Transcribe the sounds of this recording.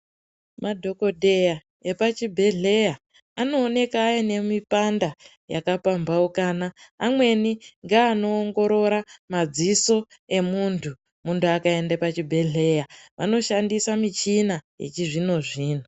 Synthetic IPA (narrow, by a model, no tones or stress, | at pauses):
madʱo̞ko̞dʱe̞ja | e̞pat͡ʃibʱe̞ɮe̞ja | ano̞ːne̞kajane̞mipanda | ja̰kapambaukanaːmwe̞niŋɡaːno̞ːŋɡo̞ɾo̞ɾamad͡ziso̞ | e̞muntʰu | muntuakae̞ndepat͡ʃibʱe̞ɮe̞jaʋa̰no̞ʃandisamit͡ʃinaje̞̰t͡ʃiʐino̞ʐiːno